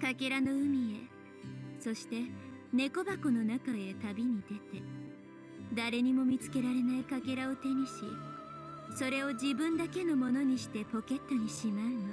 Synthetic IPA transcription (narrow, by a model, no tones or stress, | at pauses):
kake̞ɾano̞ɯ̟mʲie̞ | so̞ɕi̥t̪e̞ne̞ko̞bako̞no̞nakae̞t̪abʲiɲ̟id̪e̞t̪e̞ | d̪aɾe̞ɲ̟imo̞mʲit͡sɨ̥ke̞ɾaɾe̞naikake̞ɾao̞t̪e̞ɲ̟iɕi | so̞ɾe̞o̞d͡ʑibɯ̟̃nd̪ake̞no̞mo̞no̞ɲ̟iɕi̥t̪e̞po̞ke̞t̪ːo̞ɲ̟iɕimaɯ̟no